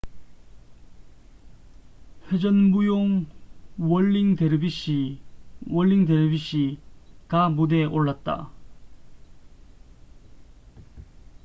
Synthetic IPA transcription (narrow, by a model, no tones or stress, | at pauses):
ɸe̞d͡ʑʌnbujoŋ | wʌɭːiŋdeɾɯbiɕ͈i | wʌɭːiŋdeɾebiɕ͈ikamude̞ʔoɭːat̚t͈a̰